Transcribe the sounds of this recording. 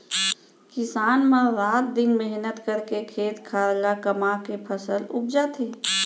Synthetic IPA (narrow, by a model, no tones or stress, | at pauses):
kɪsaːnmãɾaːt̪̚d̪ɪnmɛɦnət̪kəɾkekʰeːt̪kʰaːɾlakəmakepʰəsəlʊp̚d͡ʒat̪ʰeː